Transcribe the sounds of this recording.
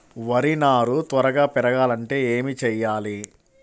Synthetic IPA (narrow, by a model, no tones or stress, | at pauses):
ʋɐɾinaːɾut̪ʋɐɾɐɡaːpɛɾɐɡaːlɐɳʈe̞ːeːmit͡ʃɛjːaːli